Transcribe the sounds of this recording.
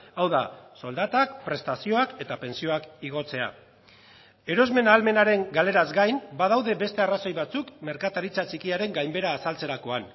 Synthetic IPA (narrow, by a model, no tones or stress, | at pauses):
awðaso̞ld̪at̪ak̚pɾe̞st̪asio̞ake̞t̪ape̞nsio̞akiɣ̞o̞t͡se̞a̰ | e̞ɾo̞zme̞naːlme̞naɾe̞ŋɡale̞ɾazɡajnbað̞awðe̞be̞st̪e̞araso̞jβat͡sukme̞ɾkat̪aɾit͡sat͡ʃikiaɾe̞ŋɡajmbe̞ɾaːsalt͡se̞ɾako̞an